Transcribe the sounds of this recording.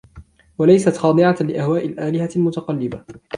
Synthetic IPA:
walajsat̪xɑːd̪ˤɨʕalɪʔahwaːʔɪlʔaːlɪhalmʊt̪aqɑlːɪba

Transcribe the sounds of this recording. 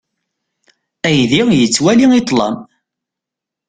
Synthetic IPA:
æjðijət͡sːwæliŋit̪ˤlɑ̰m

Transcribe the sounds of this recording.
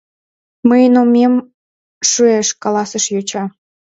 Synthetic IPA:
məjnomʲem | ʃueʃkɑlɑsəʃjot͡ɕɑ

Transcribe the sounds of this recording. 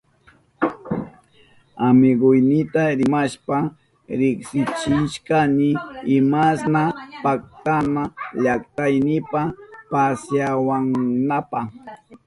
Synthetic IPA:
amɪɡʊjnɪt̪aɾɪmaʃpa | ɾɪksɪt͡ʃɪʃkanɪːmasnapak̚t̪anaʎakt̪ajnɪpapasjawaŋnapa

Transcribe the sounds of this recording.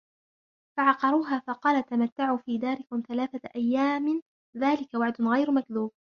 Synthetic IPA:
faʕɑqɑɾˤuːɦaːfɑqɑːlat̪amat̪ːaʕuːfiːd̪aːɾɪkʊmθalaːθaʔajːaːmɪ | ðaːlɪkawaʕd̪ʊnɣajɾmakðuːb̚

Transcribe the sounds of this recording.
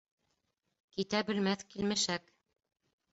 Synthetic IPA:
kit̪æbɘ̆lmæθkilmɘʃæk

